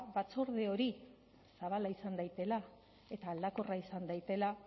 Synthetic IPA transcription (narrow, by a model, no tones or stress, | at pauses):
βat͡soɾð̞eo̞ɾi | saβalaisand̪ajt̪e̞la | e̞t̪aːld̪ako̞raisand̪ajt̪e̞la